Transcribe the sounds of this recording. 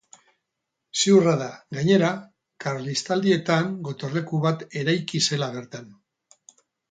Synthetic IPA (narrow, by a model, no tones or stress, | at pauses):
sewraðaɡaɲe̞ɾa | kaɾlist̪ald̪ie̞t̪aŋɡo̞t̪orle̞kuβat̪e̞ɾajkise̞laβ̞e̞ɾt̪an